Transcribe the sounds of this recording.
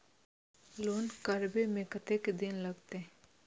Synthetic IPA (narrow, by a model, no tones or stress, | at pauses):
loːnkəɾbemekət̪eked̪ɪnləɡt̪e